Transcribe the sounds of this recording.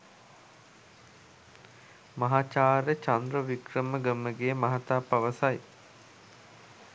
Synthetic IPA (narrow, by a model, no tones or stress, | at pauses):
mɐɦaːt͡ʃaːɾət͡ʃand̪ɾəʋikrəməɡəməɡeːmaɦat̪aːpaʋəsaj